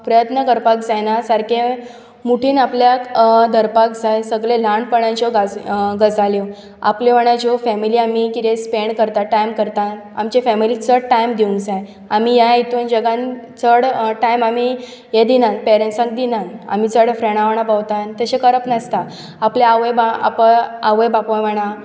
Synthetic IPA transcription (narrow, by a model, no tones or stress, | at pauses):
pɾəjət̪nəkəɾpakd͡zanasaɾke | muʈʰiːnapljad̪əɾpakd͡zajsəɡɭelãɳpəɳãnt͡ɕɔɡaɡəd͡zaljo | a̰plɔʋəɳad͡ʑofɛmiliamikit̪ẽspeɳkəɾt̪aʈajmkəɾt̪an | a̰mt͡ɕefɛmilit͡səɽʈajmd̪iũŋɡd͡zaj | amijait̪uːnd͡ʑəɡãn | t͡səɽʈajmami | jed̪inanpɛɾensãŋk̚d̪inana̰mit͡səɽfɾeɳ̃aʋɳ̃apawt̪ant̪əɕẽkəɾəpnəst̪a | apljaːʋəjbaa̰pəaʋəjbapõməɽ̃a